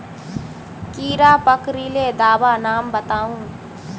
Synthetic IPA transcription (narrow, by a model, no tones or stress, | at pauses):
kiːɾaːpəkɾileːd̪aːbanaːmbət̪aːũː